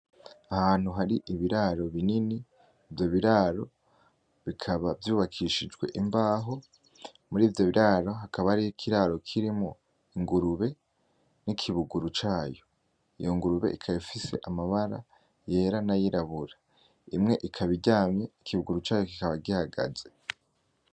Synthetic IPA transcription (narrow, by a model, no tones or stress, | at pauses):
ahaːn̥huɦaɾiʔiβiɾaɾo̞βininiː | vjo̞βiɾaɾo̞ | βikʰaβavjuːβakʰiʃid͡ʒɡwe̞̰ʔimbaːɦo̞ | muɾiːvjo̞βiɾaɾo̞ɦakʰaβaɾijokʰiɾaɾo̞kʰiɾimŋo | iŋɡuɾuβe̞ | nikʰiβuɡuɾut͡ʃaːjo̞ | ḭjo̞ŋɡuɾuβe̞̰ʔikʰajifise̞̰ʔamaβaɾa̰ | je̞ːɾanajiɾaβuɾa | imŋe̞ʔikʰaβiɟaːmɲeikʰiβuɡuɾut͡ʃaːjo̞ki̥kaβaɡihaɡa̰z̥e̞